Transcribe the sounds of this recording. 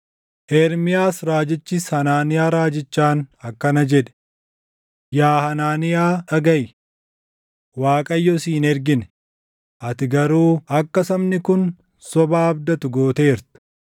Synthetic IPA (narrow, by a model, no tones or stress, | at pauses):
ʔɛɾmɪjaːsɾaːd͡ʒɪt͡ʃːɪshɐnaːnɪjaːɾaːd͡ʒɪt͡ʃːaːnɐkːɐnɐd͡ʒɛᶑɛ̥ | jaːhɐnaːnɪjaːɐɡɐjɪ | waːkʼɐjːɔsiːnɛɾɡɪnɛ | ʔɐt̪ɪɡɐɾuːɐkːɐsɐmnɪkʊn | sɔbaːɐbd̪ɐt̪ʊɡo̞ːt̪e̞ːɾt̪ʊ̥